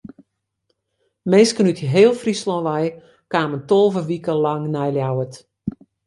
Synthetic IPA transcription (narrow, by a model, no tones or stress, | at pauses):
meːskənytiɦeːlˠfrislɔ̃ʋɛj | kaːməntolˠvəʋikəlaŋnɛjljawət